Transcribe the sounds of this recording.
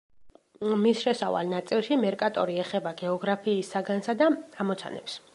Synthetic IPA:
misʃɛsava̰lˠnat̪sʼilˠʃimɛɾkʼat̪ʼɔɾiɛχɛbaɡɛɔɡɾapʰiːsːaɡansad̪aamɔt̪sʰa̰nɛ̰ps

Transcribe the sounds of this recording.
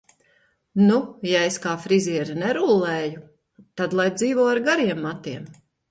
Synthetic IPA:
nujaeskaːfɾiziɛɾinɛɾulˠːeːju | t̪ad̪lˠajd̪ziːvɔːaɾɡaɾiɛmːat̪iɛm

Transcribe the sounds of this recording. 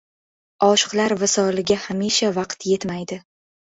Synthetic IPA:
ɒʃɨ̥qlˠaɾvɪsɒlɪɡʲahamiʃavɑqt̪je̞t̪majd̪ɪ

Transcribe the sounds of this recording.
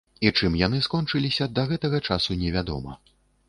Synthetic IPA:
it͡ʂɨmjan̪ɨskɔnt͡ʂɨlʲisʲɐd̪ɐɣɛt̪ɐɣɐt͡ʂasunʲɛvʲad̪ɔ̰mɐ̰

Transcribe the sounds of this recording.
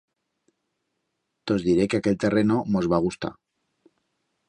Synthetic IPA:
t̪ozðiɾekeakelt̪erenomozβ̞aɣ̞ust̪a̰

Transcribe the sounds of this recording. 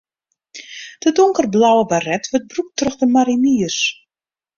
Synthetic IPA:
d̥ədʊŋkərblawəbarɛtʋət̚bruk̚trøxdəmaɾiniəs

